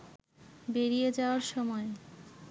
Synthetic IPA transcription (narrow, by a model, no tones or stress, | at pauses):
beɾied͡ʑaoaɾʃɔmɔe